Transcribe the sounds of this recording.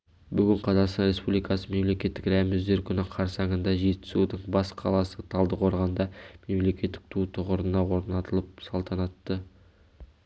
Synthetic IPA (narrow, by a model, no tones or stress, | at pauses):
bʏɡʲɪɴqʰɑzɑqst̪ɑnɾe̞spublijkɑsəme̞mle̞kʲe̞t̪ːɪkɾæmɪzd̪e̞ɾkʲʰʏnɪqʰɑɾsɑŋənd̪ɑʒe̞t̪ɪ̥sud̪əɴbɑsqʰɑ̰lˠɑsət̪ʰɑlˠd̪əqʰo̞ɾʁɑnd̪ɑme̞mle̞kʲe̞t̪ːɪ̥k̚t̪ʰut̪ʰʊʁəɾənɑwo̞ɾnɑt̪əlˠəp̚sɑlˠt̪ʰɑnɑt̪ːə